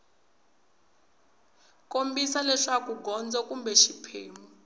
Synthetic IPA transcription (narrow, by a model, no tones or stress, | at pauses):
kombisalɛʂakuɡʱɔnd͡zɔkumbɛʃipʰḛːmu